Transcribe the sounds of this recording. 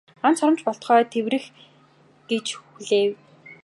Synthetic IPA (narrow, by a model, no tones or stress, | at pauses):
ant͡sχɔɾə̆mt͡ɕpɔɬt̪χœːt̪ʰewɾɘ̆x | ɡ̥et͡ɕxuɮeːw